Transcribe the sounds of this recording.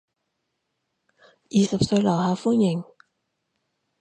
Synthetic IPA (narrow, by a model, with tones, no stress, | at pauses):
ʔiː˨˩sa˨˩p̚səː˧jla˨˩haː˧˩fu˥ɲi˨˩ŋ